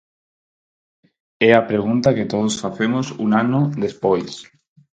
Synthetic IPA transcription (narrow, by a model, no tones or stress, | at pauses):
ɛapɾeɣ̞unt̪aket̪oð̞osfaθemosṵŋanoðespojs